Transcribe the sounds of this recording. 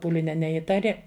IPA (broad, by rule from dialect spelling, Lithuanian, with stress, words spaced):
ˈpuːlʲɪnʲɛ nʲɛˈiːtɐrʲɪ